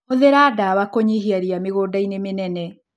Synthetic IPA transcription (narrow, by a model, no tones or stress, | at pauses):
oðeɾaːdawakoɲiɦiaɾiameɣoːdainemenɛnɛ